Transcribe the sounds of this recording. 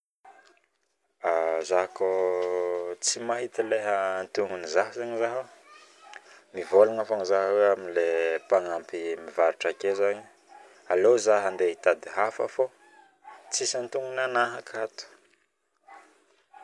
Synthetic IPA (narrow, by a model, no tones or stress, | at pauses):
azaɦko | t͡simaɦit̪ileɦənt̪uŋunizaɦzaɲizaɦo | mivolanafanizaɦweaminlepaŋampimivaɾuʈ͡ʂakezaɲi̥ | alozaɦand̪eit̪ad̪iɦafa̰fo | t͡sisant̪uŋɡunanaɦakat̪u̥